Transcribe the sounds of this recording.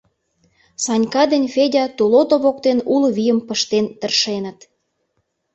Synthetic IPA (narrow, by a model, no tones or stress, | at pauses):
sɑnʲkɑd̪enʲfedʲɑt̪ulot̪oβokt̪enulβijəmpə̆ʃt̪ent̪ə̆rʃenə̆t̪